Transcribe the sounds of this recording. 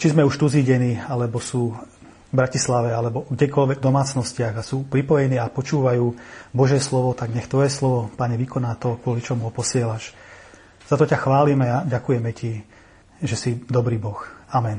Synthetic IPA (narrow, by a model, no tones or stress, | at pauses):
t͡ʃizmɛuʃt̪uziːɟɛniːalɛbɔsuː | bɾacislaʋɛalɛbɔɡɟɛkɔlʋɛɡvd̪ɔmaːt͡snɔscɪaɣasuːpɾipɔjɛniːapɔt͡ʃuːʋajuːbɔʒɛslɔʋɔt̪aɡɲɛxt̪ʋɔjɛslɔʋɔpaɲɛʋikɔnaːt̪ɔkʋʊɔlit͡ʃɔmuɦɔpɔsɪɛlaʃ | z̥at̪ɔcaxʋaːlimɛaɟakujɛmɛci | ʒɛsid̪ɔbɾiːbɔxamɛn